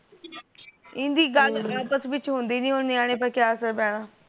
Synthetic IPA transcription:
ɪ̃nd̪iːɡəlaːpəsʋɪt͡ʃɦʊ̃nd̪iːnĩːɦʊ̃nd̪iːaːɽ̃eːpəɾkjaːəsəɾbɛːɽ̃ãː

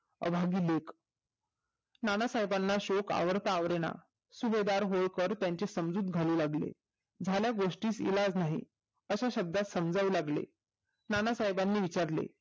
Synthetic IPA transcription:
ə̰bʱaɡiːlek | nanasaɦjbanːaɕoka̰ʋəɾt̪aːʋɾeɽ̃a̰ | suʋed̪aɾɦoɭkəɾt̪jãɲt͡ɕesəmd͡zuːt̪ɡʱaluːlaɡlḛ | d͡zʱaljaɡoʂʈiːsḭlad͡znaɦḭ | əɕaɕəb̚d̪at̪səmd͡zauːlaɡlḛ | nanasaɦibanːiːʋit͡ɕaɾlḛ

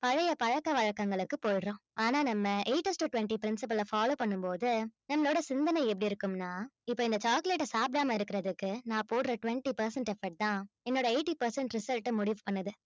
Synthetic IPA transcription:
pɐɻɐjɐpɐɻɐkːɐʋɐɻɐkːɐŋɡɐɭɯkːɯpoːjɾõːʔaːnaːnɐmːɐʔeɪʈːɐsʈɯʈʊʋɛɳʈipɪɾɪnsɪpɐlɐfaːloːpɐɳːɯmpoːðɯnɐmːloːɽɐsɪnd̪ɐnɐɪɛp̬ːɐɽiɪɾɯkːɯmnaːɪpːoːɪnd̪ɐt͡ʃaːkleʈːɐsaːp̚ɾaːmɐɪɾɯkːɪɾɐðɯkːɯnãːpoːʈɾɐʈʊʋɛɳʈipɐɾsɛɳʈɛfɐɾʈ̚t̪ãːɛnːoːɽɐeɪʈːipɐɾsɛɳʈɾɪsɐlʈɐmʊɽiʋpɐɳːɐðɯ

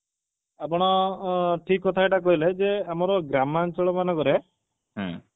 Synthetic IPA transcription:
ap̬ɔɽ̃ɔʈʰikːɔt̪ʰaeʈak̬ɔɦiled͡ʒeamɔɾɔɡɾamant͡ʃɔɭɔmanɔkɔɾe | ɦ

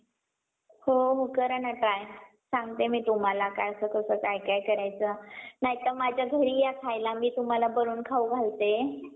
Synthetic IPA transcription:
hoɦokəɾənaʈɾaj | sãŋɡ̚t̪emiːt̪um̤alakajəsəkəsəːkajkajkəɾajt͡sənaɦit̪əɾmad͡ʑʱjaɡʱəɽiːjakʰajlamiːt̪um̤alabəɾuːnkʰauɡʱalt̪e

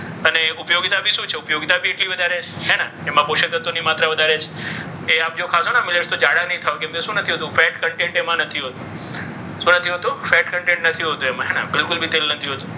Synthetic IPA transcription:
əneʊpjoɡt̪abʱiʃũt͡ʃʰeʊpjoɡt̪abʱieʈliʋəd̪ʱaɾet͡ʃʰɦɛnaemãpoʃət̪ət̪onimat̪ɾaʋəd̪ʱaɾet͡ʃʰe | eap̚d͡ʒokʰasonamɪleʃt̪od͡ʒaɽanəɦĩt̪ʰaokẽmkeʃũnət̪ʰiɦət̪ũfɛʈkəɳʈẽɳʈemãnət̪ʰiɦət̪ũ | ʃũnət̪ʰiɦət̪ũfɛʈkəɳʈẽɳʈnət̪ʰiɦot̪ũemãɦɛna̰bɪlkʊlbʱit̪elnət̪ʰiɦət̪ũ

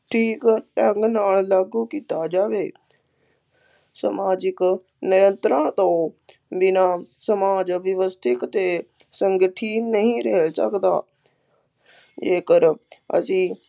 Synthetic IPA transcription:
ʈʰiːkʈɛ̃ŋɡnaːllaːɡuːkiːt̪aːd͡ʒaːʋeː | səmaːd͡ʒɪk | nɪjə̃nt̪ɾãːt̪õː | bɪnãːsəmaːd͡ʒʋɪʋəst̪ʰɪkt̪eː | səŋɡəʈʰiːnnəɦĩːɾəɦsə̰kd̪a̰ː | d͡ʒeːkəɾə̰sĩː

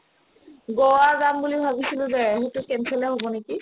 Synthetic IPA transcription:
ɡɔwaɡambulibʱabisilʊ̃zɛɦetʊkɛnsʰɛlɛɦobɔneki

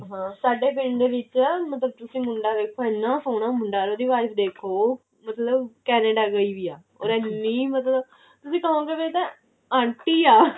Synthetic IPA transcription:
ɦãːsaːɖeːp̬ɪ̃ɳd̪eːʋɪt͡ʃːmət̪ləb̚t̪ʊsĩːmʊɳɖaːd̪eːkʰːoːɛ̃ːnːãːsoːnãːmʊɳɖaːɾoːd̪iːʋaːɪpʰd̪eːkʰoː | mət̪ləbkɛːneːɖaːɡəiːʋiːaː | ɔ̰ːɾɛːnːiːmət̪ləb | t̪ʊsĩːkəɦõːɡeːʋet̪ẽ | ãːɳʈiːaː

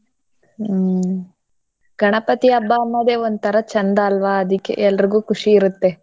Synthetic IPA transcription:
ɡʱɐɳɐpɐt̪iɐbːaːmːɐd̪eːond̪t̪ʰɐɾɐt͡ʃɐnd̪ɐːlʋaːɐd̪ikːḛʔɛlːɐɾiɡuːkʰuʂiːɾut̪ːe

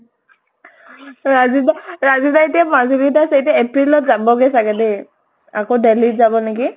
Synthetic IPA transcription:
ɹazid̪aɹazid̪aitemazilidasejtɛepɾilɔt̚zabɔɡesaɡɛde | akodelitzabɔneki

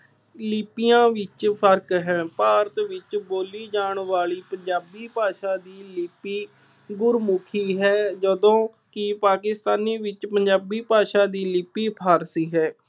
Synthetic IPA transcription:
lɪːpɪjãːʋɪt͡ʃpʰəɾkɦɛ̃ːpaːɾət̪ʋɪt͡ʃboːliːd͡ʒaːɳʋaːɭiːpəɲd͡ʒaːbiːpaːʃaːd̪iːlɪːpiː | ɡʊɾmʊkʰiːɦɛːd͡ʒəd̪õː | kɪpaːkɪst̪aːniːʋɪt͡ʃpəɲd͡ʒaːbiːpaːʃaːd̪iːlɪːpiːpʰaːɾsiːɦɛː

